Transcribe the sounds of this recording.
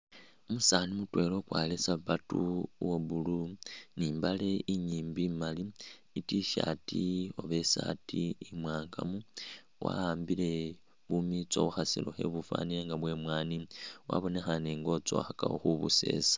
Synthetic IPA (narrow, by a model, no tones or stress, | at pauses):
omusaːnimutwe̞lo̞kwaːlesaβatuwoβuluniːmbale̞iɲiːmbimali | itiʃa̰ːtio̞βe̞saːtiimwaːŋɡamu | wa̰aːmbile̞ | βumit͡so̞̰βuxasḭloxe̞̰βufa̰ːnileŋɡaβwe̞mwaːniwa̰βo̞ne̞xaneːŋɡo̞t͡so̞̰xaka̰wo̰xuβṵse̞̰ːsḁ